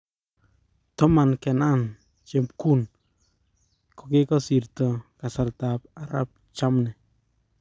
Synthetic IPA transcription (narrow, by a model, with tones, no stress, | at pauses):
tɔ˦ma˨nkɛ˨na˦n | t͡ʃe˨pku˦n | ko˨ke˦kɔ˦si˨ɾtɔ˨ka˨sa˨rta˨p̚a˨ɾa̰˦p̚ | t͡ʃa˦mnɛ˨